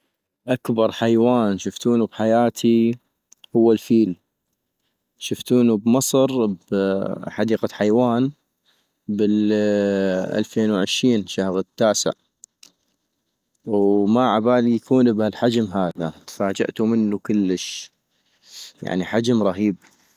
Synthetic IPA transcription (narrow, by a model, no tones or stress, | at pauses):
ʔakbɑɾˤħajwaːnʃʊft̪uːnubħajaːt̪ʰi | hʊwːalfiːl | ʃʊft̪uːnubmɑsˤɾbħad̪iːqaħajwaːn | bɪl | ʔa̰lfeːnwʕɪʃɾiːnʃahɣɪt̪ːaːsɪ̰ʕ | wmaʕabaːlijakʰuːnbhalħad͡ʒmɦaːða̰t̪faːd͡ʒa̰ʔt̪umɪnːukʊlːəʃ | ja̰ʕniħad͡ʒmɾˤɑɦiːb